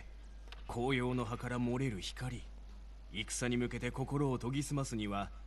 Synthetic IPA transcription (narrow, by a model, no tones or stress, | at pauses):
kʰo̞ːjo̞ːno̞ɦakaɾamoɾe̞ɾɯ̟çi̥kaɾʲi | ikɯ̥saɲ̟imɯ̟ke̞t̪e̞ko̞ko̞ɾo̞ːt̪o̞ɡʲisɨmasɨɲ̟iβa